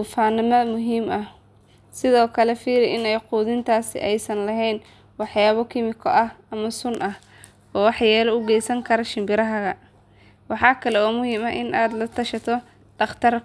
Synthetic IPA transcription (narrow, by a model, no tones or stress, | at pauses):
ʊfaːnɪmɐmʊɦiːmɐh | sɪðɔːkʰɐlɛfiːɾɪʔɪnɛjquːðɪnt̪ʰaːsɪ̰ʔɛjsɐnlɐɦɛjn | wɑħjaːβɔkʰɪmɪkʰɔʔɐh | ɐmɐsʊnʔɐh | ɔːwɑħjɛːlɔʊɡɛjsɐŋkʰɐɾɐʃɪmbɪɾɐɦɐɣɐ | wɑħɑːkʰɐlɛɔːmʊhiːmɐʔɪnaːd̪lɐt̪ʰɐʃɐt̪ʰɔ | ɖ̥ɑχt̪ʰɐr